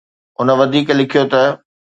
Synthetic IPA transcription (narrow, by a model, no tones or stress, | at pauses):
ʊnə̆ʋɐd̪ʱiːklɪkʰijot̪ɐ